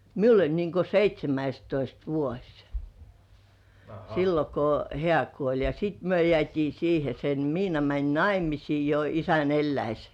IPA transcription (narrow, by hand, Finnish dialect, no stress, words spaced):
miul olʲ niŋko seitʲsʲemæistoist ʋuosʲ silːo ko hĕæˑ kuolʲ jɑ siˑt myø jĕæˑtʲiː siːhe sen miːnɑ mænʲ nɑimisiː jo isæn elːæis